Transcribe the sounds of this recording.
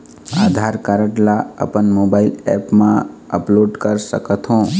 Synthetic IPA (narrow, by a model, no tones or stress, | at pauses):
aːd̪ʱaɾkəɾəʈlaə̰pənmoːbaːɪlɛ̰ːpmãəploːɖkəɾsə̰kət̪ʰɦõ